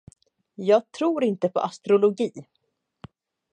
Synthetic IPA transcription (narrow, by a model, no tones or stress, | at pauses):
jɑːɡ̚t̪ʰɾuːɾɪnt̪əpʰɔ̰ʔast̪ɾʊlʊɡiː